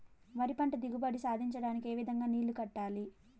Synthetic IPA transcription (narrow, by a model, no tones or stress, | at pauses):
ʋɐɾipɐɳʈɐd̪iɡubɐɽisaːd̪ʱiɲt͡ʃɐɽaːnikie̞ːʋid̪ʱɐŋɡaːniːlukɐʈːaːli